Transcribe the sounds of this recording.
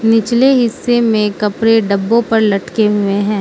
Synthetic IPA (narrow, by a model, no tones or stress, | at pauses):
nɪt͡ʃleɦɪsːemẽkɐpɾeɖɐbːõpɐɾlɐʈkeɦʊẽɦɛ̃ː